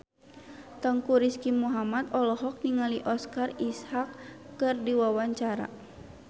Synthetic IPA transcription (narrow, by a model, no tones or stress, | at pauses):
t̪əŋkuɾiskimuɦamat̪ɔlɔɦɔk̚niŋaliʔɔskarishakːɨrdiwawaɲt͡ʃaɾa̰